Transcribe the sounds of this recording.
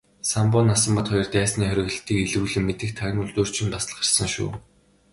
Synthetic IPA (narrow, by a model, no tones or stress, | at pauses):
sampʊːnasə̆mpə̆t̪χɔjɞ̆rt̪æːsniːχœɾʲɪ̆ɣə̆ɬt̪iːkeɮɘ̆ɮɘ̆mːet̪ɘ̆xt̪ʰaɣ̆ʲnʊɮt̪uːr̥t͡ɕɪ̆npasə̆ɮɢə̥̆rsə̆ŋʃṵː